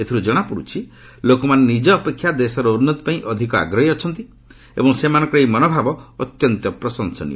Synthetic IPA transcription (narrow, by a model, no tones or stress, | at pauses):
et̪ʰiɾud͡ʒɔɽ̃apuɽut͡ʃʰi | lokɔmanenid͡ʒɔːpekʰːjad̪esɔɾɔuɾnːɔt̪ɔ̥paĩʔɔd̪ʱikɔa̰ɡɾɔɦiɔt͡ʃʰɔn̪t̪i | ḛbɔŋsemanɔ̃ŋkɔɾejmɔnobʱabɔːt̪jɔnt̪ɔpɾɔsɔŋsɔnḭ